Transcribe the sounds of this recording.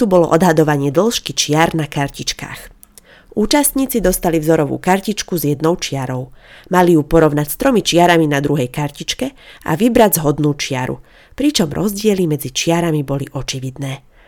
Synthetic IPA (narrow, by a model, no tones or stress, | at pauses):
ubɔlɔ̰ʔɔd̪ɦad̪ɔʋaɲɪɛd̪l̩ʃkit͡ʃɪaɾnakaɾcit͡ʃka̰ːx | ʔuːt͡ʃast̪ɲiːt͡sid̪ɔst̪alivzɔɾɔʋṵːkaɾcit͡ʃkuzjɛd̪nɔʊt͡ʃɪaɾɔʊmalijupɔɾɔʋnacst̪ɾɔmit͡ʃɪaɾaminad̪ɾuɦɛjkaɾcit͡ʃkɛa̰ʋibɾaɟzɦɔd̪nuːt͡ʃɪaɾṵ | pɾit͡ʃɔmɾʔɔzɟɪɛlimɛd͡zit͡ʃɪaɾamibɔliʔɔt͡ʃiʋid̪nɛː